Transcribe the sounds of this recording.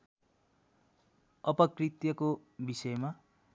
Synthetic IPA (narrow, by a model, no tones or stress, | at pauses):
ʌpʌkrit̪jʌkobisʌjma